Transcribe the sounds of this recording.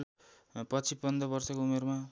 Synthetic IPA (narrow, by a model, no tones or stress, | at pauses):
pʌt͡sʰipʌnd̪ʌbʌrsʌkoumerma